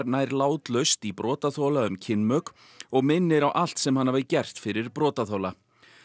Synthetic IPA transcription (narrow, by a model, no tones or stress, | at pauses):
ɾnaːjɾlaːwt̪lœɥst̪ipɾɔːt̪aθɔwlaʏmcʰɪnmœk | ɔɣmɪnːɪɾawʔal̥t̪sɛmhanːavɪcɛr̥t̪fɪɾɪɾpɾɔːt̪aθɔwla